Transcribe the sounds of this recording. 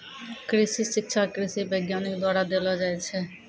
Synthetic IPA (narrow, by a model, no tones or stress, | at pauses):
kɾiʃiʃik̚t͡ɕʰakɾiʃibejɡjanikd̪waɾad̪elad͡ʑajt͡ɕʰe